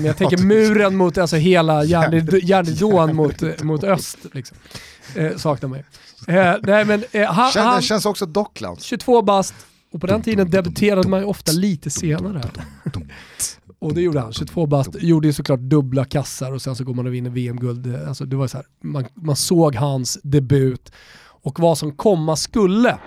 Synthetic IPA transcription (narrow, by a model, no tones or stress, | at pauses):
mɛjaɡt̪ʰɛŋkːəɾmʉ̟ːɾənmʊt̪alsɔɦeːlajæːɳjæːɳɪd̪oːnmʊt̪mʊt̪œst̪lɪksɔm | sɑːknaɾmɛj | nɛɪmɛnɦanhaɛnsɔksɔd̪ɔkla̰nɕɵt̪ʰv̥oːbast̪ | ɔpʰɔd̪ɛnt̪ʰiːd̪ənd̪ɛbɵt̪ʰeːɾad̪əmajɔft̪aliːt̪əseːnaɾə | ɔd̪ɛjuːɖəha̰nɕɵt̪ʰvoːbast̪juːɖəjʉsɔkʰlɑːʈ̚d̪ɵblakʰasːaɾɔsɛnsɔɡoːɾmanɔvɪnːəveːɛmɡɵld̪a̰lsɔd̪ɛvaɾjsɔæːɾmanmansoːɡɦansd̪ɛbʉ̟ːt̪ | ɔkvasɔmkʰɔmːaskɵlːə